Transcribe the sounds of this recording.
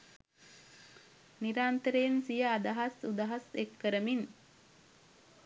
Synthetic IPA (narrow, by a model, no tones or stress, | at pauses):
niɾaːnt̪əɾejnsijəad̪aɦasud̪aɦasekːəɾəmin